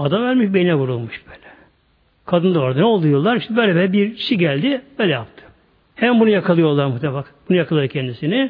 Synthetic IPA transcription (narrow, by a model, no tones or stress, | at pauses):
ad̪amvæɾmiʃbenʲinɛvuɾulˠmuʃb̥øːlʲɛ̥ | kʰad̪ɯnd̪aoɾad̪anɛo̞lˠd̪ujolˠaɾiʃt̪ɛbølʲɛbɛlɛbiɾʃiɟælʲd̪ɪbøːlʲɛjap̚t̪ʰɯ̥ | hɛmænbunujakʰalˠɯjo̞ɾlˠaɾmuht̪ʰefakbunujakʰalˠaɾɯcʰɛnd̪isinɪ